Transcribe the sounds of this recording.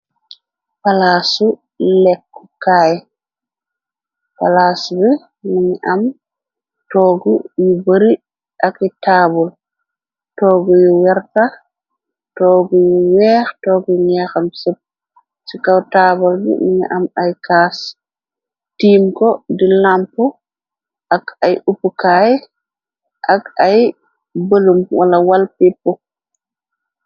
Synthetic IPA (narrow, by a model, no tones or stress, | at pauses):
palaːsu | lɛkːɔ̥kaj | palasbɛ | miŋiʔam | tɔɡujubəɾi | ʔakitaːbɔl | tɔːɡujiwɛɾta | tɔːɡujuwɛxtɔːɡɔjɲɛxamsɛp̚ | sikawtaːbɔlɡḭminɛ̰ʔamajkaːs | tiːmkɔdilampɔ | ʔakajupːukaːjɛ | ʔakaj | balumwʔalawalpipːɔ